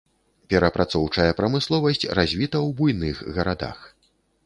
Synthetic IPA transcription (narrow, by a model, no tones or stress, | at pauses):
pʲɛɾɐpɾʔat̪sɔwt͡ʂɐjɐpɾɐmɨslˠɔvɐsʲt͡sʲrazʲvʲit̪ɐwbujnɨxɣɐɾad̪a̰x